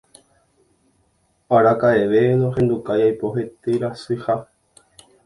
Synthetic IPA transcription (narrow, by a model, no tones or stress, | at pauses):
aɾakae̞ʋenoɦẽ̞nd̪ukajajpo̞ɦet̪ɨɾasuiha